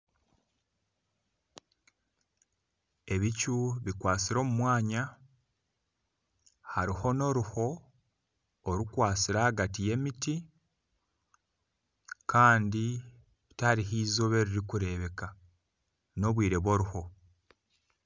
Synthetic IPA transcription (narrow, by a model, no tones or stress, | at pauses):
e̞βicuβikwaːt͡siɾo̞ːmumwaːɲa | haɾiho̞no̞ɾuho̞ | ɾukwaːsiɾahaɡatije̞miti | kʰaːndi | βitaɾiɦiːzo̞βe̞ɾiɾikuɾe̞βe̞ka | no̞βwiːɾe̞βwo̞ɾuho̞